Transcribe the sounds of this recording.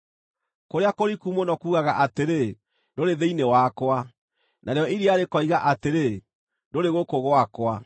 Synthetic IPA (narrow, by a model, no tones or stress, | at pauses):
koɾeakoɾikumonɔkuːɣaɣaʔateɾe | doɾeðeinewakwa | nʔaɾeɔiɾiaɾekɔiɣaʔateɾe | ndoɾeɣokoɣwakwa